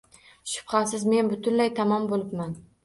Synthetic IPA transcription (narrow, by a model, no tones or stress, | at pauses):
ʃʊ̥bχɑsɪzme̞nbʊt̪ʰʊnlajt̪ʰamɒmbolɪpman